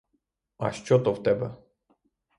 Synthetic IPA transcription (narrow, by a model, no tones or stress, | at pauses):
a̰ʃt͡ʃɔt̪ɔft̪ɛbɛ